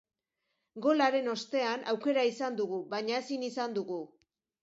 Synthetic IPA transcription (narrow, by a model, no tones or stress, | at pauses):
ɡo̞laɾe̞no̞st̪e̞anawke̞ɾaisand̪uɣ̞uβaɲae̞sinisand̪uɣu